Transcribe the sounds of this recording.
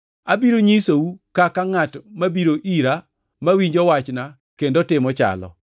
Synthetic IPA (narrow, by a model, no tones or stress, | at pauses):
abiɾoɲisowukakaŋatmabiɾoʔiɾa | mawiɲd͡ʒɔwat͡ʃna | kendotɪmɔt͡ʃa̰lɔ̰